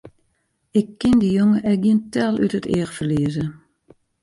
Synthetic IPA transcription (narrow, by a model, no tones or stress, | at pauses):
ɪkːɪnd̪ijɔŋəʔɛɡint̪ːɑːlˠœ̰t̪ət̪eːʁfəleːzə